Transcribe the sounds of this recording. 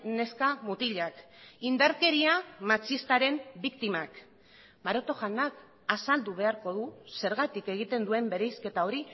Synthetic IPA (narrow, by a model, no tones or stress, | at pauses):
ne̞skamut̪iʎakind̪aɾke̞ɾiamat͡ʃist̪aɾe̞mbikt̪imak | maɾo̞t̪o̞ʝanak | asald̪uβ̞e̞aɾko̞ðuse̞ɾɣat̪ike̞ɣ̞it̪e̞nd̪ue̞mbe̞ɾe̞jske̞t̪ao̞ɾi